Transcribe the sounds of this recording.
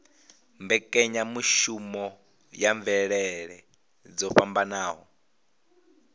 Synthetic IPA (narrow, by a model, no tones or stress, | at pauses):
mbɛkʼɛɲamuʃumɔ | jaɱvɛɺɛɺɛ | d͡zɔɸambanaːɦɔ̰